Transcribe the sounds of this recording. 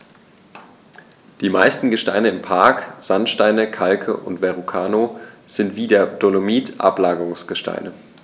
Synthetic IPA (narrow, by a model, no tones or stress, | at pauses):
d̥iːmaɪstn̩ɡəʃtaɪnəɪmpʰaɐkz̥antʃtaɪnəkʰalkʰəʔʊ̰ntv̥ɛʁukʰaːnoz̥ɪntv̥iːdeːɐd̥olomiːtʔa̰plaːɡəʁʊŋsɡ̥əʃta̰ɪnə